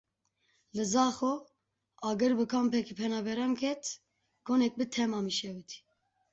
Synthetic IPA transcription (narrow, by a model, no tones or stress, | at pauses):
lɨzɑːxo | ɑɡɨɾbɨkʰɑmpʰɛkʰipʰɛnɑːbɛɾɑnkʰɛt̪ʰ | ɡ̥onɛk̚bɨt̪ʰɛmɑːmiʃɛwɨt̪ʰi̥